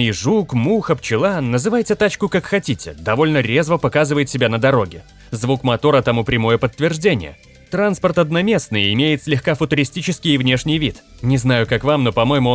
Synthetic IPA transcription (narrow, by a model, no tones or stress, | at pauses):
ʐukmuxəpt͡ɕɪlˠanːəzɨvajtʲɪt̪at͡ɕkʊkakxɐtʲitʲɪd̪ɐvo̞lʲnəɾʲe̞zvəpɐkazɨvəjɪt̪sʲɪbʲanəd̪ɐɾo̞ɡʲɪ | zvukmɐt̪o̞ɾət̪ɐmupɾʲɪmo̞jəpət̪ːvʲɪrʐdʲenʲɪ̰jə̰ | t̪ɾanspərt̪ɐd̪nɐmʲe̞snɨjɪmʲejɪt̪sʲlʲɪxkafʊt̪ʊɾʲɪsʲtʲit͡ɕɪskʲɪjɪvnʲe̞ʂnʲɪjvʲit̪nʲɪznajʊkakvamno̞pɐmo̞jɪmʊ